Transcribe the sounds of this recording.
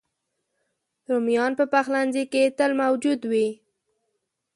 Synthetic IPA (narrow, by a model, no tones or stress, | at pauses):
ɾomjɑnpəpaxlanziket̪əlmawd͡ʒud̪wi